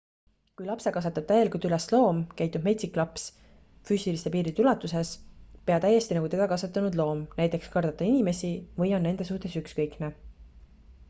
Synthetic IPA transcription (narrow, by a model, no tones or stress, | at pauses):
kujlɑpse̞kɑsɑt̪ːˑɑb̥̚t̪æje̞likult̪yleslo̞ːmkæjt̪ːub̥me̞t̪sikˑlɑps | fyːsilise̞piːɾit̪ulɑt̪ːˑuse̞spe̞ɑt̪æje̞st̪inɑɡut̪e̞d̪̥ɑkɑsɑt̪ːˑɑnud̪lo̞ːmnæjt̪ˑe̞kskɑrd̪ɑt̪ːˑɑinime̞sivɤjo̞nːe̞nd̪̥e̞suht̪e̞sykskɤjkne